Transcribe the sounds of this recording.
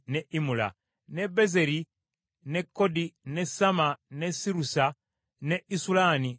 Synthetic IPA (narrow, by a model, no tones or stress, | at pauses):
neʔimula̰ | ne̞beze̞ɾi | ne̞kːo̞dine̞samane̞siɾusa | neisulaːni